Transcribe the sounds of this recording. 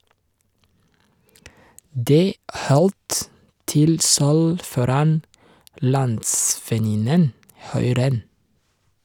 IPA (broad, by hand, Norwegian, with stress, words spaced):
ˈdeː ˈʔhɔlt ˈtɪl ˈsœl ˈfɔɾɑn ˈlɑntsfɛˌnɪnən ˈhʉɪ ˈɾɛn